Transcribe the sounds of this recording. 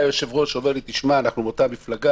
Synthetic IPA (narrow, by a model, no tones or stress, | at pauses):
joʃe̞vʁo̞ʃove̞lit̪iʃmaːnaχnumot̪amiflaɡa